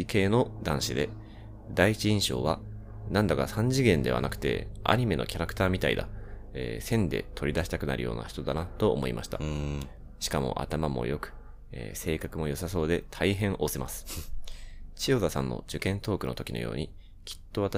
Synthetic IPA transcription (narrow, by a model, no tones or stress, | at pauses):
ike̞ːno̞d̪ãɰ̃ɕid̪e̞ | d̪aiit͡ɕiĩɰ̃ɕo̞̰ːβa | nãnd̪akasãɲ̟d͡ʑiɡẽ̞nd̪e̞βa̰nakɯ̟̥t̪e̞̰a̰ɲ̟ime̞no̞̰kʲaɾakɯ̟̥t̪aːmʲit̪aḭd̪a̰ | eːsẽ̞nd̪e̞̰t̪ʰoɾʲid̪aɕi̥t̪akɯ̟na̰ɾɯ̟jo̞̰ːna̰çi̥t̪o̞d̪anat̪o̞ːmo̞imʔaɕi̥t̪a | ɕi̥kamo̞̰ʔa̰t̪amamo̞̰jo̞kɯ̟̥ | eːse̞ːkakɯ̟mo̞jo̞saso̞ːd̪e̞t̪ʰaiɦẽ̞ɰ̃ʔo̞se̞masɨ̥ | t͡ɕio̞zasãnːo̞̰d͡ʑɨkẽ̞nt̪o̞ːkɯ̟no̞t̪o̞kʲino̰jo̞̰ːɲ̟i | kʲʰi̥t̪ːo̞β̞at̪